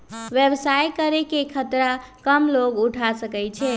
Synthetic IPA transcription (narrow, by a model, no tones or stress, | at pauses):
ʋjebsajkəɾekekʰət̪ɾakəmloɡuʈʰasəkɛjt͡ʃʰɛ